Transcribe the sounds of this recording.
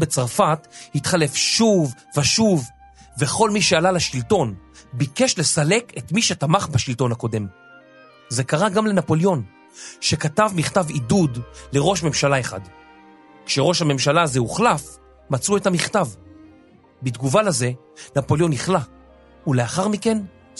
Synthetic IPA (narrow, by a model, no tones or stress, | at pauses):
be̞t͡saʁfathitχale̞fʃuv | veʃuv | ve̞χo̞lmiʃealalaʃilto̞nbike̞ʃle̞sale̞ketmiʃetamaχbaʃilto̞nhako̞de̞m | ze̞kaʁaɡamle̞napo̞ljo̞n | ʃe̞katavmiχtavidudle̞ʁo̞ʃme̞mʃalaeχa̰d | kʃe̞ʁo̞ʃhame̞mʃalazeuχlaf | mat͡suethamiχtav | bidɡuvalaze̞ | napo̞ljo̞niχla | uleaχaʁmike̞n